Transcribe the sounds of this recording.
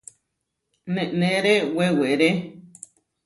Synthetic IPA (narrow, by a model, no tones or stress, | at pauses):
nẽʔnẽɾeweweɾe